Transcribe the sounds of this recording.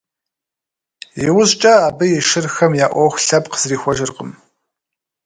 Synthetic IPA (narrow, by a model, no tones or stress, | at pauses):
jɪwʊɕt͡ʃʼɐaːbɨjɪʃɨrxɐmjaːʔʷɔxʷɬɐpqəz̥riːxʷɔʒɨrqəm